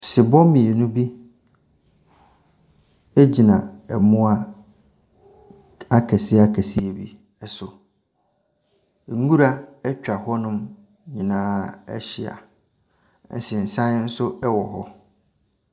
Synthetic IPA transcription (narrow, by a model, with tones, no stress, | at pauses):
sɪ˨bɔ̃˦mĩ˨e˨nʊ̃˦bi˦ | e˦d͡ʑi˨nã˨ɛ˨mʊ̃˦a˦ | a˦kʰɛ˨sɪ˦a˦kʰæ˨si˦e˨bḭ˦ | ɛ˨sʊ˨ | ŋ˦ɡu˦ɾa˦ɛ˦t͡ɕᶣa˨hɔ˦nʊ̃˦m | ɲĩ˨nãː˦ɛ̰˦ɕɪ˨a̰˨ | n̩̰˨sɛ˨n̩˨sã˦n˦n̩˦sʊ˦ɛ˦wɔ˨ɦɔ˦